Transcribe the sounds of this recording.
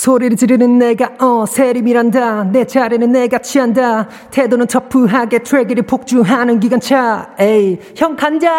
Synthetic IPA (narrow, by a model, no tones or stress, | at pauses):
sʰoɾiɾɯd͡ʑiɾinɯnːeɡaʌsʰeɾimiɾandanet͡ɕʰaɾinɯnːeɡat͡ɕʰianda | tʰedonɯnt͡ɕʰʌpʰːɯɦaɡetʰɾeɡeɾipʰok̚t͡ɕuɦanɯnɡiɡant͡ɕʰaej | çjʌŋkʰand͡ʑa